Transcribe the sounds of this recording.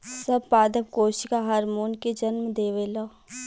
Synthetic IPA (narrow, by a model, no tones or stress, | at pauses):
sɐbpaːd̪əpkoːʃkaɦɐɾmuːnked͡ʒɐnmd̪eːʋeːloː